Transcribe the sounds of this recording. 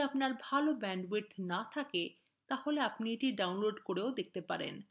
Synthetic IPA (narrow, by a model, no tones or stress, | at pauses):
apnaɾbʱalobɛɳɖweɾt̪ʰnat̪ʰake | t̪aholeapnieʈiɖawnloɖkoɾeod̪ek̚ʰt̪epaɾḛn